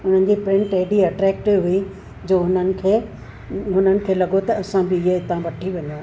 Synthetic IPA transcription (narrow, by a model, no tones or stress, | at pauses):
ʊn̤ən̆d͡ʑiːpɾɪ̃ɳʈɐɦɪɽiɐʈɾɛːk̚ʈɪʋɦui | d͡ʑoːʊn̤ənɪ̆kʰeː | ɦʊn̤ənɪ̆kʰeːlɐɠot̪ɐɐsãbɪɪɦeɪt̪ãʋɐʈʰiʋɐɲo